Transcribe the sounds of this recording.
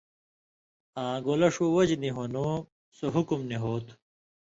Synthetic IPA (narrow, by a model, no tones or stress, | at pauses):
ãːɡoːlɐʂuwɐd͡ʑniɦono | soɦukumniɦoːt̪ʰu̥